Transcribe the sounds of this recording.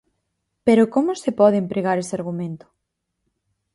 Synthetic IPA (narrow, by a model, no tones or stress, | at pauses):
peɾokomʊsepɔðempɾeɣaɾeseaɾɣumẽnt̪ʊ̥